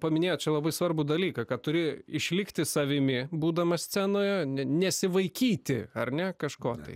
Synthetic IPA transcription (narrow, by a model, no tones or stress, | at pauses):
pɐmʲɪnʲeːjoːt̪t͡ʃʲɛlˠɐbɐɪsʋɐrbud̪ɐlʲiːkɐkɐtt̪ʊɾʲɪɪʃʲlʲɪkt̪ʲɪsɐʋʲɪmʲɪbuːd̪ɐmɐsʲt͡sʲæːnoːjɛnʲɛnʲɛsʲɪʋɐɪkʲiːt̪ʲɪɐrnʲɛkɐʃkoːt̪ɐɪ